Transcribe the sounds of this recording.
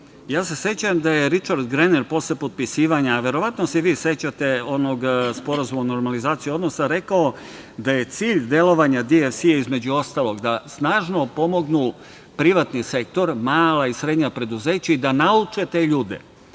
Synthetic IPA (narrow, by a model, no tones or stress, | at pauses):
jaːse̞se̞t͡ɕamd̪aje̞ɾit͡ʃaɾd̪ɡɾeneɾpo̞sepo̞t̪̚pisiːʋaɲaːʋe̞ɾo̞ʋat̪noseʋiːse̞t͡ɕat̪e̞o̞no̞ɡspo̞ɾazumaono̞ɾmalizaːt̪sijiod̪no̞saɾe̞kao | d̪aje̞t̪siːʎd̪e̞lˠo̞ʋaɲad̪iefsiaizme̞d͡ʑuo̞st̪alˠo̞ɡd̪asnaːʒno̞po̞mo̞ɡnu | pɾiʋat̪nise̞k̚t̪o̞ɾmaːlaisɾed̪ɲapɾe̞d̪uze̞ːt͡ɕaid̪anaut͡ʃe̞t̪e̞ʎuːd̪e̞̰